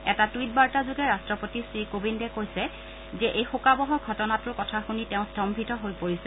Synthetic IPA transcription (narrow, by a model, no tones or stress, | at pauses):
ɛtatwit̚baɹtazuɡɛɹastɹɔpotisɹikobindɛkojsɛ | zɛʔejxukabɔɦɔɹɡʱɔtɔnatʊɹkɔtʰaxunitɛʊ̃sdɔmbʱitɔɦojpoɹisɛ